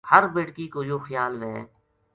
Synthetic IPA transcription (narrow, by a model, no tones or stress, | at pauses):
həɾbeːʈkikojoːxəjaːlnẽ